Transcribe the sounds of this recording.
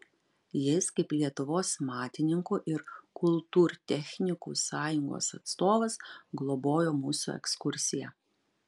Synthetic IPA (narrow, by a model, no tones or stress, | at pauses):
jɪskɐɪplʲiɛt̪ʊʋoːsmɑːt̪ʲɪnʲɪŋkuːʔɪɾkʊlˠˑt̪uːɾt̪ʲɛxʲnʲɪkṵːsɑːjʊŋɡo̰ːsɐt̪st̪oːʋɐsɡlˠɔboːjoːmuːsṵːɛ̰kskʊɾʲsʲɪjɛ